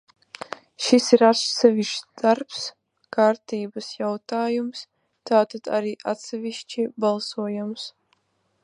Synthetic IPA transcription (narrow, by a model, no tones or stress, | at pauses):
ʃisiɾasɛvʲiʃd̪̥aɾps | kaɾt̪iːbasjawt̪aːjums | t̪aːt̪ad̪̥a̰ɾiːʔa̰t̪sɛviʃt͡ʃibalˠsuɔjams